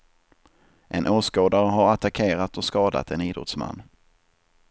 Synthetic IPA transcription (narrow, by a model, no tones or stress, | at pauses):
ʔɛnʔoːʂkoːd̪aɾəɦaɾat̪akʰeːɾat̪ɔskɑːd̪a̰t̪ʰɛniːd̪ɾɔ̰t̪sma̰nː